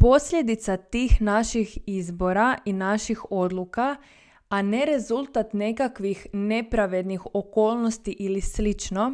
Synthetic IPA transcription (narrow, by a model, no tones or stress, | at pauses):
po̞sʎe̞d̪it̪sat̪iːxnaʃixizbo̞ɾaʔinaʃixo̞d̪lˠuka | ane̞ɾe̞zulˠt̪at̪ne̞kakʋixne̞pɾaʋe̞d̪nixo̞ko̞ːlˠno̞st̪iʔilislit͡ʃno̞